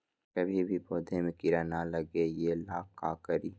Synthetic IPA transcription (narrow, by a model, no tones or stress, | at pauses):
kəbʱibʱiboːd̪ʱemẽkɪɾaːnaləɡejelaːkːaːkəɾiː